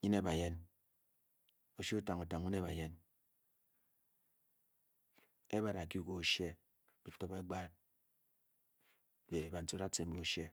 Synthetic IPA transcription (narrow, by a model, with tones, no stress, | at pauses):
ɲi˦ne˦˨ba˨je˦n | o˨ʃi˦u˦ta˨ŋu˨ta˨ŋ˨ɲi˦ne˦˨ba˨je˦n | e˦ba˦ɾa˨ki˦ko˦ʃe˦ | bi˨to˦be˦ɡ͡ba˦t | be˨ba˨n̩˨to˦a˦te˨m˦bo˦ʃe˦